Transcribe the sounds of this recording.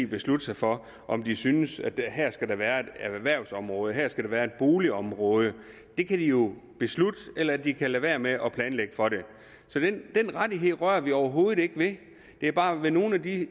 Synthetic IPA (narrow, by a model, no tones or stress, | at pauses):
b̥e̝slud̥əsɑ̈fɒ̽ | ʔɒ̽md̥isynəsæ̥hæɐ̰sɡ̥æɾɑʋæːɐe̝d̥æʋæɐ̰ʊsɒ̽mʁɔ̽ːð̞ˠəɦæɐ̰sɡ̥æɾ̥ɑʋæːɐe̝d̥̚b̥o̝ːliɒ̽mʁɔ̽ːð̞ˠə | d̥e̝kʰæd̥ijo̝b̥e̝slud̥əelɐæd̥ikʰælʋe̝ːɐmeʔɒ̽pʰlɛːnleɡ̥əfɒ̽ɾe̝ | sɒ̽d̥end̥enʁadiɦe̝ð̰ˠʁɶɐʋiɒʊɐɦo̝ːð̞̩ˠe̝ɡ̥əʋe̝ | d̥e̝æɐb̥ɑ̈ːʋe̝no̝ːn̩æd̥i